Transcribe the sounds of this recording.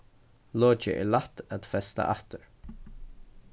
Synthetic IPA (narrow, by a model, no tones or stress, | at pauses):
lɔːt͡ʃə̰ʔɛ̰ɹlaht̪at̪fɛst̪a̰ʔaht̪əɹ